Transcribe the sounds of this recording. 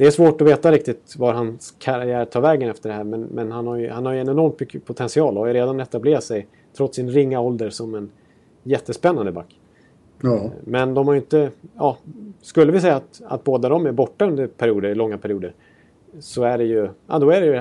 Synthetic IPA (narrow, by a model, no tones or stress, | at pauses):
d̪ɛæɾsvoːʈɔveːt̪aɾɪk̚t̪ɪt̪vaɾɦanskʰaɾjæːɾtʰɑːɾvɛːɡənɛft̪əɖɛɦæːɾmɛnmɛnhanhaɾjhanhaɾjəɛnɛnɔɾmt̪mʏkʰːəpʰʊt̪ʰɛnsɪɑːlɔhaɾjɵɾeːd̪anɛt̪ːableːɾat̪sɛj | t̪ʰɾɔt̪sːɪnɾɪŋːaɔld̪əɾsɔmɛn | jɛt̪ːəspɛnːand̪əbakː | mɛnd̪ɔmhaɾjʏɪnt̪əjɑːskɵlːəvɪs̬ɛjːaːt̪a̰t̪̚boːd̪ad̪ɔmæɾbɔʈːaɵnd̪əɾpʰæɾɪuːd̪əɾɭɔŋːapʰæɾɪjuːd̪əɾ | sɔæɖɛjɵʔɑ̰d̪ɔæɾɛj